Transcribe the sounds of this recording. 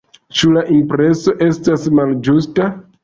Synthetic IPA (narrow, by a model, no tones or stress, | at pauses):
t͡ʃulaʔimpɾe̞so̞ʔe̞stasmald͡ʒusta